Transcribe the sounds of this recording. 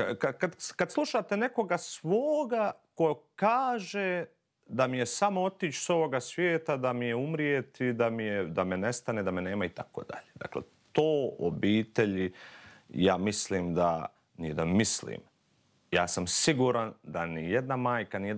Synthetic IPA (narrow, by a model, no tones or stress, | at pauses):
kakad̪kad̪slˠuʃat̪e̞ne̞ko̞ɡasʋoːɡakokaːʒe | d̪amije̞samoo̞t̪iːt͡ʃso̞ʋo̞ɡasʋjeːt̪ad̪amijeumɾijet̪id̪amijed̪amene̞st̪aned̪amene̞ːmait̪akoːd̪a̰ʎeːd̪a̰klḛ | t̪oːo̰biːt̪e̞ʎi | jaːmisliːmd̪a̰ | nied̪amislḭːm | jaːsamsiɡuːɾand̪anijed̪namaːjkanije